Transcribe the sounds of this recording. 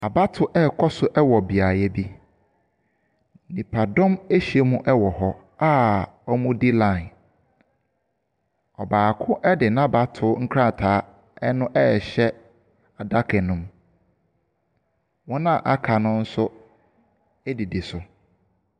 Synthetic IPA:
a˨ba˦tʰʊ˦ʔɛ˦˨kʰɔ˦sʊ˦ʔɛ˦wɔ˨bi˨a˨jɛ˦bi˦ | nĩ˨pʰa˨dɔ̃˦me˦ɕi˨e˦mũ˦ʔɛ˦wɔ˨hɔ˦ | a˦ɔ˦mũ˦di˦lã˦˨ɪ˨n | ɔ˨baː˨kʰʊ̃˦ʔɛ˦dɪ˨nã˦ba˦tʰʊ˦ŋ̩˦kʰɾã˦˨tʰaː˨˦ | ɛ˦nʊ̃˦ʔɛ˦˨ɕɛ˦ | a˨da˦kʰɛ˨nʊ̃˦m | wɔ̃˦nã˦˨ʔa˦kʰa˨nʊ̃˦n̩˦sʊ˦ | ɛ˦di˨dɪ˨sʊ˨

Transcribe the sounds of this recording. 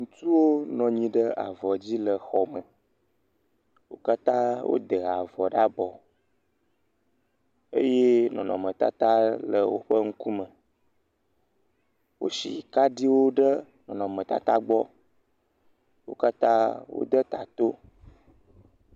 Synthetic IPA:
ŋũ˨t̪u˦wo˦nɔ̃˨ɲĩ˨ɖə˦a̰˨vɔ˨d͡ʑi˦lə˨xɔ˨mə˨ | wo̰˦ka˦t̪ã˦wo̰˦d̪ə˨a˨vɔ˨ɖa˦bɔ˨ | e˦je˦nɔ̰̃˨nɔ̃˨mə̃˨t̪a̰˦t̪a˦lə˨wo˦ɸə˦ŋ̩˦ku˦mə˨ | wo̰˦sḭ˨ka˦ɖi˦wo˦ɖə˦ | nɔ̃˨nɔ̃˨mə̃˨t̪a̰˦t̪a˦ɡ͡bɔ˦ | wo̰˦ka˦t̪ã̰˦wo̰˦d̪ə˦t̪a˨t̪o˦

